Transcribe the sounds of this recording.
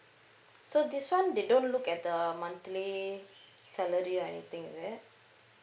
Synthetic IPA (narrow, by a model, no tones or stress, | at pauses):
sod̪iswãnd̪eɖõnʈlukɛt̚d̪əmʌ̃nt̪li | sɛləɾiɔɛnḭt̪ĩŋzɛ